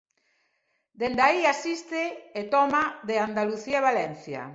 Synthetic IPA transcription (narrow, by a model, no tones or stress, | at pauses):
d̪end̪aiasist̪ɪet̪ɔmaðeand̪aluθieβalɛn̟θja̰